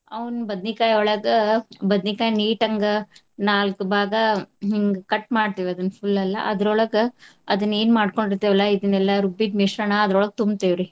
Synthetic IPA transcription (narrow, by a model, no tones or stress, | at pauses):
ɐʋnbɐd̪nikaːjɔɭɐɡɐbɐd̪nikaːjniːʈɐŋɡɐ | naːlkbʱaːɡɐɦiŋɡkɐʈmaːɖ̚t̪iːʋɐd̪ɐnːfʰulːɐlːɐ̰ʔɐd̪ɾɔɭɐɡɐd̪ɐnːe̞ːnmaːɖko̞ɳɖiɾt̪ːeːʋɛlːɐid̪ɐnːɛlːɐɾubid̪miʂɾɐɳɐːd̪ɾɔɭɐɡ̚t̪umbt̪eːʋɾi